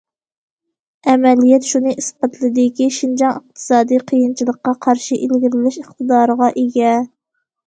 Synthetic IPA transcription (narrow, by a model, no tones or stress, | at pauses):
ɛmɛlijɛt̪ʃunɨʔispɑt̪ʰlˠɨd̪ɪkʲiʃind͡ʒɑŋəq̚t̪ʰɨ̥sɑːd̪ijqʰijint͡ʃʰilˠəqːɑqʰɑɾʃiʔelɡʲiɾɪlɪʃəχt̪ʰɨd̪ɑːɾəʁɑʔeɡʲɛ